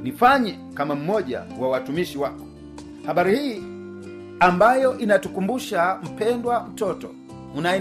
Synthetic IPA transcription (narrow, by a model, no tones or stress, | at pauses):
nifaɲɛ | kamam̩mɔʄa̰wawatumiʃiwakɔ̥ | haɓaɾihiː | ambajɔʔinatukumbuʃam̩pɛndwam̩tɔtɔ | unaɛ